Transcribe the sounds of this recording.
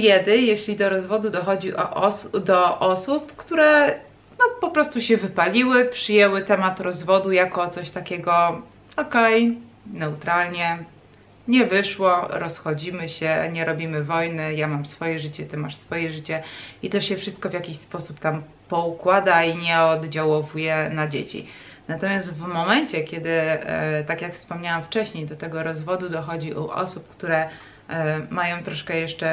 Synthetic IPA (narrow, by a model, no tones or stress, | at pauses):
jʲɛd̪ɘjeɕlʲid̪ɔɾɔzvɔd̪ud̪ɔxɔd͡ʑiʔɔ̰ʔd̪ɔʔɔsupkt̪uɾɛ | nɔpɔpɾɔst̪uɕɛvɘpalʲiwɘpʂɘjɛwɘt̪ɛmat̪ɾɔzvɔd̪ujakɔt̪sɔɕt̪akʲɛɡɔ | ɔkɛj | nɛut̪ɾalɲɛ | ɲɛvɘʂwɔɾɔsxɔd͡ʑimɘɕɛɲɛɾɔbʲimɘvɔjnɘjamamsfɔjɛʐɘt͡ɕɛt̪ɘmaʂsfɔjɛʐɘt͡ɕɛit̪ɛʂɕɛfʂɘst̪̚kɔvʲjakʲiɕspɔsupt̪am | pɔukwad̪aiɲɛɔd̪d͡ʑawɔvujɛnad͡ʑḛt͡ɕḭ | nat̪ɔmʲjast̪vmɔmɛɲt͡ɕɛkʲɛd̪ɘt̪akjakfspɔmɲawamft͡ʂɛɕɲejd̪ɔt̪ɛɡɔɾɔzvɔd̪ud̪ɔxɔd͡ʑiʔṵʔɔ̰sup̚kt̪uɾɛ | majɔ̃w̃t̪ɾɔʂkɛjɛʂt͡ʂɛ